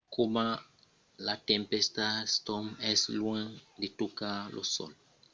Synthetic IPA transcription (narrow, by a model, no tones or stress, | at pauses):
koma | lat̪ẽmpest̪ast̪omɛslwãŋd̪et̪okalʔo̰so̰l